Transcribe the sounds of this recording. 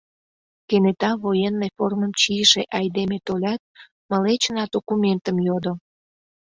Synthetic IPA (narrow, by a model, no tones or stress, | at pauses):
kenet̪ɑβojenːejforməmt͡ɕijəʃeʔɑjd̪emet̪olʲɑt̪̚ | məlet͡ɕənɑd̪okument̪əmjod̪o